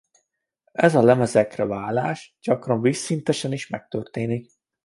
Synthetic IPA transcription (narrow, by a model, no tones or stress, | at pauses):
ɛzɒlɛmɛzɛkrɛvaːlaːʃɟɒkrɒɱvisːint̪ɛʃɛniʃmɛk̚t̪ørt̪eːnik